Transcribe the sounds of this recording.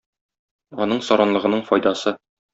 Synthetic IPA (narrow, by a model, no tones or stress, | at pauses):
ɒn̪ɤɴsɒɾɑnlˠɤ̆ʁɤ̆nɤɴfɒjd̪ɑsɤ